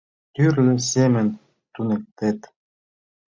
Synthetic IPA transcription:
t̪yɾlʲysemɘ̆nʲ | t̪unĕk̚t̪ĕt̪

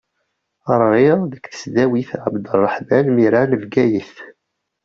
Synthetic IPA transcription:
əɾˤːiʁðəkːθə̥sd̪æwiθʕəbd̪ərˤːəħbænmiɾanəvɡæjəθ

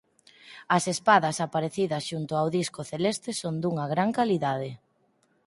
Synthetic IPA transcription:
ɐsespaðɐsapaɾeθiðɐsʃunt̪ʊawðiskʊθelest̪esond̪uŋɐɣɾaŋkaliðað̞e

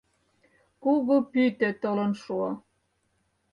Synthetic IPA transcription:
kuɣopyt̪øt̪olɤ̆nʃuɑ

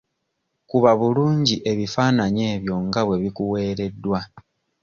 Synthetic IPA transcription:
kuβaβuluːɲɟiʔe̞βifaːnaɲe̞ːβjo̞ŋɡaβwe̞βikuwe̞ːɾe̞dːwa

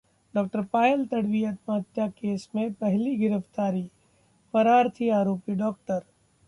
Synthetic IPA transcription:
ɖɔːk̚ʈəɾpaːjlt̪ɐɽʋijət̪mɐɦət̪jakeːsmẽpɛɦliɡɪɾəft̪aːɾi | pɐɾaːɾt̪ʰiaːɾoːpiɖɔːk̚ʈəɾ

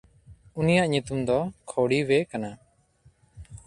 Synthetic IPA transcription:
unijaʔɲut̪umd̪ɔkʰoɽiwɛkana

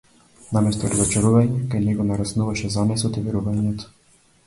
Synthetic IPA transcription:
namɛst̪ɔɾazɔt͡ʃaɾuvaɲɛkajnɛɡɔnaɾasnuvaʃɛzamɛsɔt̪ivɛɾuvaɲɛt̪ɔ̥

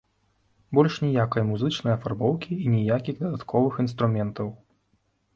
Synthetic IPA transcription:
bɔlʲʂnʲijakɐjmuzɨt͡ʂnɐjɐfarbɔwkʲiiːnʲɛjakʲiɣd̪ɐd̪at̪kɔvɨxin̪st̪ɾumʲɛnt̪ɐw

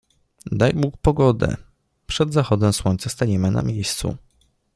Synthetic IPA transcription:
d̪ajbukpɔɡɔd̪ɛ̰ | pʂɛd̪zaxɔd̪ɛ̃swɔɲt̪sast̪aɲɛmɘna̰mʲjejst̪sṵ

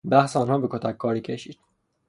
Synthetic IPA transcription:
bæhseɒːnhɒːbekʰot̪ʰækʰːɒːɾiːkcʰeʃiːd̪̥

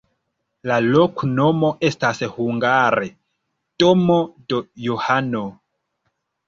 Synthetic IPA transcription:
lalokno̞mo̞ʔe̞stashuŋɡaɾe | tomodojohano

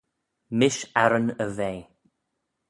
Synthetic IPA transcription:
mɪʃɛɾənəveː

